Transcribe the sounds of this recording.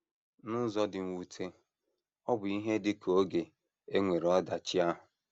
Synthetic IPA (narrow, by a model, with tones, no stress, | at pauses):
nʊ˦zɔ˦dɪ˨ŋ̩˨wu˨tʰe˦ | ɔ˦bʊ˨i˦ɦe˦dɪ˦kʰo˦ɡe˨ | e˦ŋʷe˨ɾɔ˦da˨t͡ʃɪ˦a˦ɦʊ˨